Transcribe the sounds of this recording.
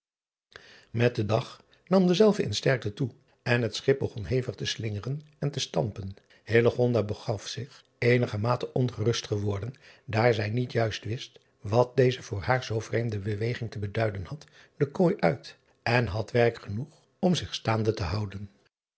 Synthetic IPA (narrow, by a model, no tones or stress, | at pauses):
mɛt̚dədɑχ | nɑmdəzɛlˠvəɪ̰nstɛɹk̚tətu | ɛnɦətsχɪp̚bəχɔnɦejvəχtəslɪŋərən | ɛntəstɑmpən | heləχɔndabəχɑfsɪχ | ejnəχəmaːtəʔɔnχərɵstχəʋɔɹdəndaːɹzɛjnitjœɥstʋɪst | ʋɑt̚dejzəvʊːɹɦaːɹzowvrejmdəbəʋejχɪŋtəbədœɥdənhɑt | dəkojʔœɥt | ɛnɦɑtʋɛrkχənuχ | ɔmzɪχstaːndətəɦɑwdən